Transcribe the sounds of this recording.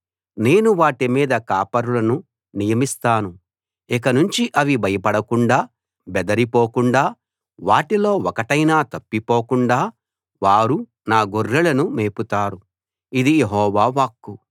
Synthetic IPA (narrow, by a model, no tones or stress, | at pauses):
ne̞ːnuʋaːʈimiːd̪ɐkaːpɐɾulɐnu | nijɐmist̪aːnu | ɛkɐnuɲt͡ʃiʔɐʋibʱɐjɐpɐɽɐkuɳɖaː | bɛd̪ɐɾipoːkuɳɖaː | ʋaːʈilo̞ːɔkɐʈɐjnaːt̪ɐpːipoːkuɳɖaː | ʋaːɾu | naːɡorːulɐnumeːput̪aːɾu | id̪ijeɦɔːʋaːʋaːkːu